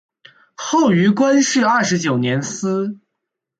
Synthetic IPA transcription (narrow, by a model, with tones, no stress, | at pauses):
xo˥˩ʊy˧˥kwa˥nʂɻ̩˥˧ɐ˥˩ʂɻ̩˧˥t͡ɕjo˨˩ʊnjɛ˧˥nsɹ̩˥